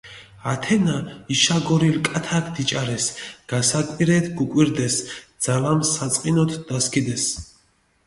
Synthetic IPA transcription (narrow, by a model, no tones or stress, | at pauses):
at̪ʰɛnaiʃaɡɔɾilkʼat̪ʰakʰd̪it͡ʃʼaɾɛsɡ̥asakʼiɾɛt̪ʰɡukʼwiɾd̪ɛsd̪z̥alamsat̪sʼqʼinɔt̪ʰd̪askʰʼid̪ɛs